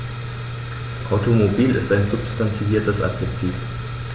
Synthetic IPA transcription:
ʔaʊtʰomobiːlɪ̰staɪnzʊpstʰantʰiviːɐtəsʔa̰pʰɛktʰiːf

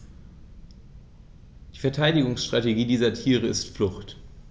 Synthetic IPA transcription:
d̥iːfɛɐtʰaɪdɪɡʊŋsʃtʁ̥ateɡiːdiːzɐtʰiːʁ̞əɪstflʊxt

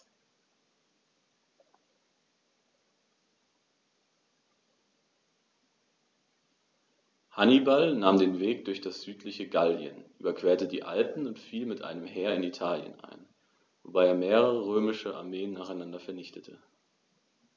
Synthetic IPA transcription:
hanibalnaːmdeːnveːk̚d̥ʊɐçd̥asz̥yːtʰlɪçəɡaljə̰nʔyːbɐkv̥eːɐtədḭːʔa̰ltn̩ʊntfiːlmɪtʔa̰ɪnəmheːɐɪnitʰaːljə̰nʔa̰ɪn | vobaɪeːɐmeːʁəʁəʁøːmɪʃəʔa̰ɐmeːənːaːχaɪnandɐfɛɐnɪçtʰətʰə

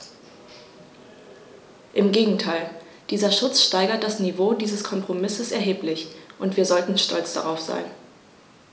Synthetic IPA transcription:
ʔɪmɡeːɡŋ̩tʰaɪl | d̥iːzɐʃʊt͡sʃtaɪɡɐt̚d̥asnivoːdiːzəskʰɔmpʁ̥omɪsəsɛɐɦeːplɪçʔʊntv̥iːɐzɔltn̩ʃtʰɔ̰lt͡sd̥a̰ʁaʊfz̥a̰ɪn

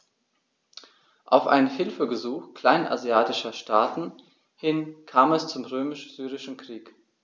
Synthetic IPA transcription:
ʔaʊfʔa̰ɪnnhɪlfəbəzuːxkʰl̥aɪnʔa̰zjaːtɪʃɐʃtʰaːtn̩ | hɪnkʰaːmɛst͡sʊmʁøːmɪʃz̥yːʁɪʃn̩kʁ̥iːk

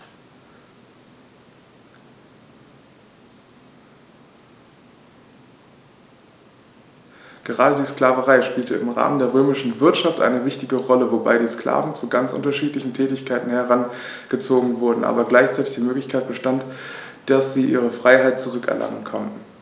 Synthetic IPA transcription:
ɡ̥əʁaːdədiːskl̥aːvəʁaɪʃpiːltəɪmʁa̰ːməndeːɐʁøːmɪʃn̩vɪɐtʃaftʔa̰ɪnəvɪçtɪɡəʁɔləvoba̰ɪɾiːskl̥a̰ːvn̩t͡suɡa̰nt͡sʔʊ̰ntɐʃiːtlɪçn̩tʰɛːtɪçkʰaɪtn̩hɛʁan | ɡ̥ət͡soːɡŋ̩vʊɐdn̩ʔa̰ːbɐɡlaɪçt͡saɪtɪ̥çd̥iːmøːklɪçkʰaɪt̚b̥əʃtant | d̥asz̥iːʔiːʁ̞əfʁ̥aɪɦaɪt̚t͡suʁʏkɛ̰ɐlʔa̰ŋə̰nkʰɔ̰ntn̩

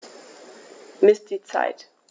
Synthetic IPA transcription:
mɪsd̥it͡sa̰ɪt

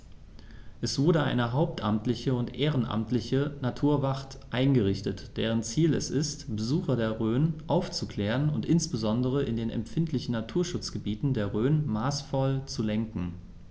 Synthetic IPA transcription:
ʔɛsv̥ʊɐdəʔa̰ɪnəɦaʊp̚tʰʔa̰mtlɪçəʊntʔeːʁənʔa̰mtlɪçənatʰuːɐvaχt | ʔaɪnɡəʁɪçtətd̥eːʁ̞ənt͡siːlɛ̰sɪstb̥əzuːxɐdeːɐʁøːnʔaʊft͡sukl̥ɛːʁənʊntʔɪnsb̥əzɔndəʁ̞əʔɪndeːnɛ̰mpfɪntlɪçn̩natʰuːɐʃʊt͡sɡ̥əbiːtn̩deːɐʁøːnmaːsfɔlt͡sulɛŋkŋ̩

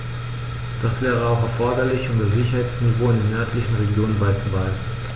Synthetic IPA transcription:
d̥asv̥ɛːʁ̞əaʊxɛɐfɔɐdɐlɪçʊmdasz̥ɪçɐɦaɪt͡snivoːɪndeːnʔœɐtlɪçn̩ʁeɡjoːnənbaɪt͡subaɪn̩

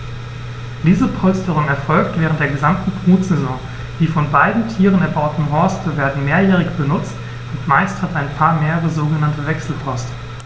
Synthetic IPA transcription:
d̥iːzəpʰɔlstəʁʊŋɛɐfɔlk̚tv̥ɛːʁəntd̥eːɐɡəzamtn̩pʁuːtz̥ɛzɔ̃ŋ | d̥iːfɔnbaɪdn̩tʰiːʁənɛɐbaʊtn̩ɦɔɐstʰəveːɐdn̩meːɐjɛːʁ̞ɪçb̥ənʊt͡st | ʊntmaɪsthataɪnpʰaːɐmeːʁəʁəzoːɡənantəvɛksl̩pʰɔstə

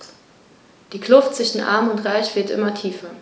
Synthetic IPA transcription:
d̥iːkʰl̥ʊftt͡sv̥ɪʃn̩ʔa̰ɐmʊntʁaɪçv̥ɪɐtʔɪ̰mɐtʰiːfɐ

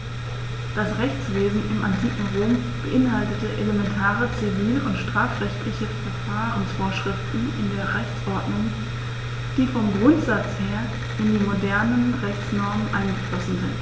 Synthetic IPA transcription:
d̥asʁɛçt͡sv̥eːzn̩ɪmantʰiːkŋ̩ʁoːm | b̥əʔɪnɦaltətəʔeləmɛntʰaːʁət͡siviːləʔʊntʃtʁ̥aːfʁɛçtʰlɪçəfɛɐfaːʁənsfoːɐʃʁ̥ɪftn̩ɪ̰ndeːɐʁɛçt͡sʔɔɐdnʊŋ | d̥iːfɔmɡʁʊntz̥at͡sheːɐ | ʔɪndiːmodɛɐnənʁɛçt͡snɔɐmənʔa̰ɪnɡəflɔsn̩zɪ̰nt

